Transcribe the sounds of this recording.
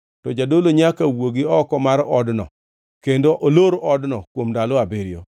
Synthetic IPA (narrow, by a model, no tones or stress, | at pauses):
tɔd͡ʒadoloɲakawoɡɪɔkɔmaɾɔdnɔ̰ | kendoʔoloɾoʔɔdnɔkwomdaloabeɾɪjo̰